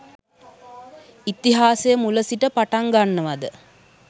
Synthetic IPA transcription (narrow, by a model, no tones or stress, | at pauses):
it̪iɦaːsejəmuləsiʈəpaʈaŋɡanːəʋad̪ə